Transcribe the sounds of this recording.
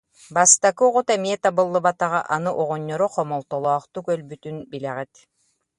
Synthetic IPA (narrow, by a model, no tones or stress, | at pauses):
bast̪akɯʁut̪ɛmiɛt̪abɯlˠːɯbat̪aʁaʔanɯʔɔʁɔɲːɔɾɔqɔmɔlˠt̪ɔlˠɔːqt̪ukœlbyt̪ynbilɛʁɛt̪